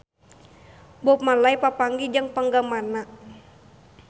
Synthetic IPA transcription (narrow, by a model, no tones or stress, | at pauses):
bɔp̚malaipapaŋɡid͡ʒəŋpaŋɡamana